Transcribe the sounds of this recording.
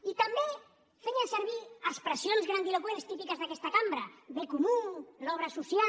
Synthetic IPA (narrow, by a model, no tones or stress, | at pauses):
it̪ambe | fejanseɾβiəspɾesjonzɣɾand̪ilokweɾst̪ipikəzðakɛst̪akambɾɐβekumulɔβ̞ɾasusja